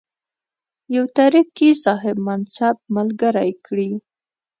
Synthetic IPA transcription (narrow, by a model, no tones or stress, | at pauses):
jawt̪aɾiqisɑɦɪbmansab̚malɡəɾajkɽi